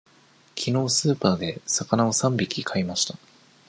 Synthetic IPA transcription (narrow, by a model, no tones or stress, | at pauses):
kʲʰino̞ːsɨːpaːd̪e̞sakanao̞sãmbʲikʲikʰaimaɕi̥t̪a